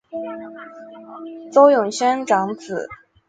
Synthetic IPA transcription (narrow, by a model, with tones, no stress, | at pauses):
t͡so˥ʊjʊ˨˩ŋɕɛ˥nʈ͡ʂɑ˧˥ŋt͡sʰɹ̩˨˩˦